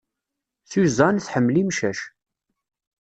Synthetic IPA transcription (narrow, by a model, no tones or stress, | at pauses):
θuzˤɑnθħəmːlimʃæʃ